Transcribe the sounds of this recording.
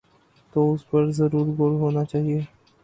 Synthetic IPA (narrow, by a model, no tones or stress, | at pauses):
t̪oʊspəɾzɐɾuːɾɡoːlɦoːnat͡ʃaːɦieː